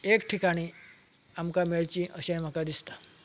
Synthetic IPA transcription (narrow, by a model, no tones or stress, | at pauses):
ekʈʰikaɽ̃i | amkameɭt͡ɕiʔəɕẽm̤əkad̪ist̪ḁ